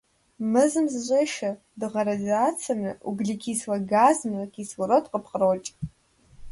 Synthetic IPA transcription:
mɨzɨmzʒʷʼeʃa | dɨʁaɾazat͡sʰamnɨʔuɡɮikʰiswaɡazmrakʲʰʼiswaɾotʼqʼəpʰqʼərot͡ʃʼ

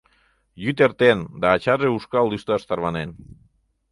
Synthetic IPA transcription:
jyt̪eɾt̪end̪aːt͡ʃareuskald̪ist̪oast̪aɾβanen

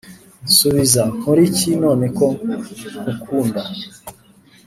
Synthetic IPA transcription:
nsuβizamuɾicino̞ːne̞kokukʰuːnda

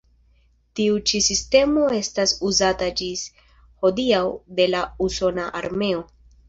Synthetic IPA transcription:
tiut͡ʃisiste̞mo̞e̞stasuzatad͡ʒis | ho̞diawde̞lauso̞naʔa̰ɾme̞o̞

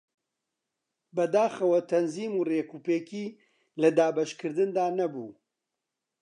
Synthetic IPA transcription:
bɐd̪aːxɐwɐt̪ʰɐnziːmuːreːkuːpeːkiː | lɐd̪aːbɐʃkʰɨɾd̪ɨnd̪aːnɐbṵː

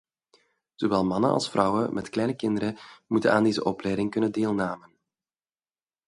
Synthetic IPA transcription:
z̥oʋɛlˠmɑnə̰nɑ̰lˠsfrɑwəmʔɛtklɛjnəkɪndəɾəmutənaːndeːzə̰ʔɔplɛjdɪŋkɵnəndeːlˠnaːmən

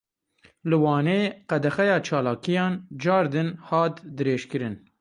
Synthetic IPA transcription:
lɨwɑːneːqɛd̪ɛxɛjɑːt͡ʃʰɑːlɑːkijɑːnd͡ʒɑːɾd̪ɨnhɑːt̪d̪ɨɾeːʃkɨɾɨn

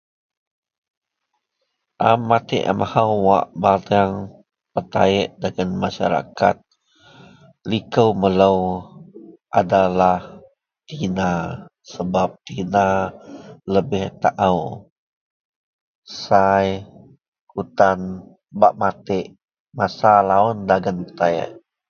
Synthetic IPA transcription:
ʔamːat̪ɪ̰ʔa̰mʔahawwa̰ʔbataŋ | pərt̪a̰ɪʔdaɡanmaʃa̰ɾa̰ka̰t̪̚ | likəwmələw | ʔadalah | t̪ina | səbap̚t̪ina | ləbɪht̪aʔaw | saj | ut̪an | baʔmat̪ɪʔ | masalaʊndaɡənpərt̪ajə̰ʔ

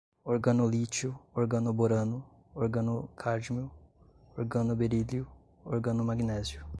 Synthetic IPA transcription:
oɾɡɐnulit͡ʃuoɾɡɐnuboɾɐnu | oɾɡɐnukʰaɾd͡ʒmiu | oɾɡɐnubeɾiliu | o̰ɾɡɐnumaɡnɛziu

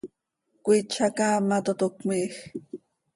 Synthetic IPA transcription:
kʷit͡ʃʰakamat̪ot̪okmix

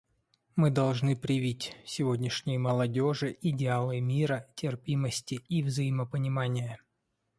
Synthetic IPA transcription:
mɨd̪ɐlˠʐnɨpɾʲɪvʲitʲsʲɪvodʲnʲɪʂnʲɪjəməlˠɐdʲoʐɨʔɪdʲɪalˠɨmʲiɾətʲɪrpʲiməsʲtʲɪːvzəjɪməpənʲɪmanʲɪjə

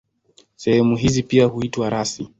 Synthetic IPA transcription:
sɛhɛmuɦizipiahuitwaɾasi

